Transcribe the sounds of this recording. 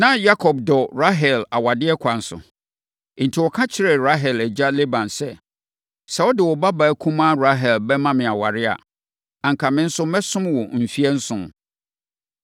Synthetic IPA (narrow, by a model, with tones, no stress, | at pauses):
nã˦ja˦kʰɔ˨b̚dɔ˨ɾa˦ɦɛ˨la˨wa˨dɪ˦ɛ˦kʷʰa˨n̩˦sʊ̰˨˦ | n̩˨tʰi˨wɔ˨kʰã˦t͡ɕʰɪ˦ɾɛ˨ɾa˦ɦɛ˨læ˨d͡ʑa˦le˦bã˨nsɛ˦ | sɛ˨wɔ˦dɪ˨wɔ˨ba˦ba˨˦kʰũ˦mã˦ɾa˦ɦɛ˨lbɛ˦mã˦mɪ̃˨a˨wa̰˨ɾɪ˦a̰˨ | ã˨ŋ̩kʰa˨mɪ̃˦n̩˦sʊ˦mɛ̃˦sʊ̃˦m˦wɔ˨m̩˨fi˦ɛ˦n̩˦sʊ̃˨m˨